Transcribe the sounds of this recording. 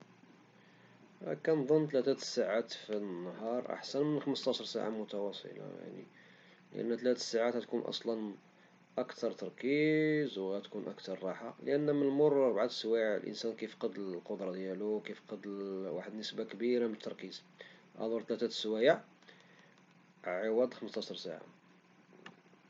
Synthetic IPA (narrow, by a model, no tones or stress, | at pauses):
kænd̪ˤənːt̪læt̪æt̪sːaʕat̪finːhɑɾˤʔa̰ħsænmənxəməst̪ɑʃəɾˤsa̰ʕa̰mʊt̪ɑwɑsˤə̰lɑ̰ja̰ʕnḭ | ləʔə̰nːæt̪læt̪saʕat̪hæt̪kunʔɑ̰sˤlɑn | ʔəkt̪ʰɑɾˤt̪ɑɾˤkizwɣæt̪kunʔə̰kt̪ɑɾˤːɑħaləʔənːmənmʊrˤɑɾˤbʕat̪swæʕ̰lʔə̰nsænkifqɑd̪lqod̪ɾˤɑd̪jæluwkifqɑd̪waħəd̪nəsbakbiɾamət̪ʰːɑɾkiz | ʔæ̰d̪ʊɾˤt̪læt̪æt̪swæjəʕ | ʕəwæd̪xəməst̪ˤɑʃɾˤsa̰ʕa̰